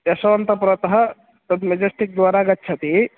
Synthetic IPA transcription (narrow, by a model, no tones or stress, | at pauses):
jɐsɐʋɐnt̪ɐpɾɐt̪ɐɦɐ̆ | t̪ɐd̪med͡ʒɐsʈik̚d̪ʋaːɾaɡɐt̪ːt͡ʃʰɐt̪i